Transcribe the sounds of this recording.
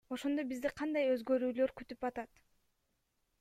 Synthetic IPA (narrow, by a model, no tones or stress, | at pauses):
o̞ʃo̞nd̪obizd̪iqʰɑnd̪ɑjø̞zɡø̞ɾyːlø̞ɾkyt̪ypɑt̪ɑt̪